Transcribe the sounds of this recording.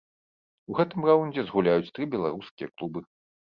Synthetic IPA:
uɣɛt̪ɨmraunʲd͡zʲɛzɣulʲajut͡sʲt̪ɾɨbʲɛlˠaɾuskʲijɐklˠubɨ

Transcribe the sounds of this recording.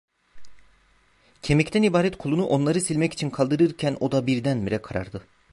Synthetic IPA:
cʰe̞mɛct̪ʰænibaːɾɛt̪kʰuolˠunuʔo̞nlˠaɾɯsilʲmɛci̥t͡ʃʰinkʰalˠd̪ɯɾɯɾcʰænʔo̞d̪abiɾd̪ænmiɾɛkʰaɾa̰ɾd̪ɯ

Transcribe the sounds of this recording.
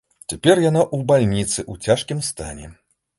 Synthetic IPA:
t͡sʲapʲɛrjanaʔubalʲnʲit̪sɨʔut͡sʲaʂkʲimst̪a̰nʲɛ

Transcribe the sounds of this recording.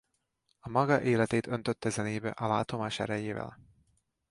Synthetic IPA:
ɒmɒɡɒʔeːlɛt̪eːt̪ø̞nt̪øt̪ːɛzɛneːbɛ̰ʔɒlaːt̪o̞maːʃɛ̰ɾɛjeːvɛ̰l

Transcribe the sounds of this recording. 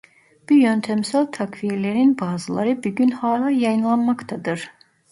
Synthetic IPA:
b̥ujønt̪ʰæmsælʲt̪ʰakviɾlʲeɾinbaːzɯlˠaɾɯbyɟynhaːlʲˠaːjajɯnlˠanmakt̪ʰad̪ɯɾ̥

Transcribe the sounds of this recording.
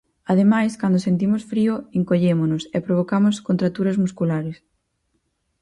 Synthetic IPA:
aðemajskand̪osent̪̬imosfɾioeŋkoʎemonʊsɛpɾoβokamoskont̪ɾat̪uɾɐzmuskulaɾɪs

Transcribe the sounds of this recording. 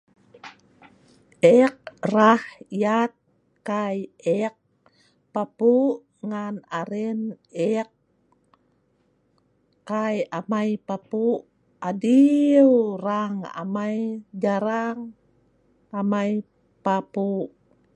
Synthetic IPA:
ʔɛk̚rahjat̪̚ | kajɛk̚ | papuʔ | ŋanaɾɛn | ɛk̚ | ajamajpapuʔ | adiwraŋa̰majd͡ʒaɾaŋ | amaj | papuʔ

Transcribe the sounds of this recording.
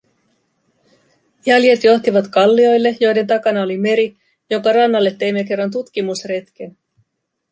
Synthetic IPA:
jælje̞t̪jo̞xt̪iʋɑt̪kɑlːio̞jlːe̞jo̞jde̞nt̪ɑkɑnɑolime̞ɾi | jo̞ŋkɑrɑnːɑlːe̞t̪ːe̞jmːeke̞rːɑnt̪̬ut̪k̟imusre̞t̪k̟en

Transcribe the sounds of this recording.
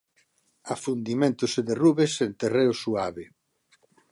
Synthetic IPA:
afund̪imẽnt̪ʊseðeruβesent̪ereʊsuaβe

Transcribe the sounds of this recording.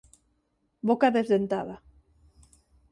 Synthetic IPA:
bokaðezðent̪aða

